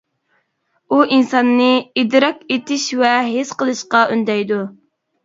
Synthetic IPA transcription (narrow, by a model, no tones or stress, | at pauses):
uʔinsɑnːɨid̪ɾɑket̪ɪʃvɛɦesqəlˠɨʃqɑʔynd̪ɛjd̪u